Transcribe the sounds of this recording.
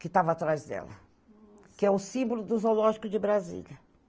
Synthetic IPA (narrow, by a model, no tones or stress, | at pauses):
kɪt̪avɐat̪ɾajzd̪ɛ̰lɐ̰ | kɪɛʊsĩmbʊlʊd̪ʊzolɔʒikʊd͡ʒɪbɾazḭʎɐ